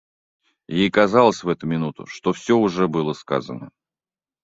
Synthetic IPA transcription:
jejkɐzɑlˠəsʲvɛt̪ʊmʲɪnut̪ʊ̰ʂt̪ofsʲoʊʐɛbɨlˠəska̰zənə

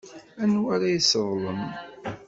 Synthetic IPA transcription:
ænwaɾajisəðˤləm

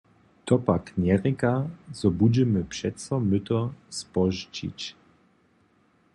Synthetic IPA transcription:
t̪ɔpaknʲɛɾikazɔbud͡ʑɛmɘpʂɛt̪sɔmɘt̪ɔspɔʐt͡ɕḭt͡ɕ

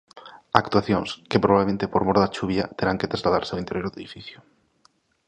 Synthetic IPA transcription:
ak̚t̪waθjõŋskepɾoβaβlemẽnt̪epoɾmoɾðat͡ʃuβjat̪eɾaŋket̪ɾazlaða̰ɾseawint̪eɾjoɾðeðifiθjʊ

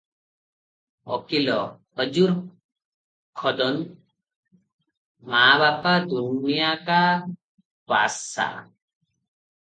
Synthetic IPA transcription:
ɔ̰kilɔhɔd͡ʒuɾ | kʰɔd̪ɔn | maβapad̪unijaka | pa̰sa̰

